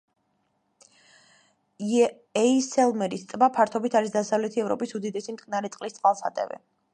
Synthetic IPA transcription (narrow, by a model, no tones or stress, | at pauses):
ɛisɛlˠmɛɾist̪ʼbapʰaɾt̪ʰɔbit̪ʰaɾis̬d̪asavlɛt̪ʰiɛvɾɔ̰pʼisud̪id̪ɛsimt̪ʼkʼnaɾɛt̪sʼqʼlist̪sʼqʼalˠsat̪ʼɛ̰vɛ̰